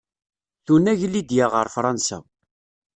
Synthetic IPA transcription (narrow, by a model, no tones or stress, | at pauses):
θunæʝlːid̪jaʁəɾˤfɾˤɑnsæ̰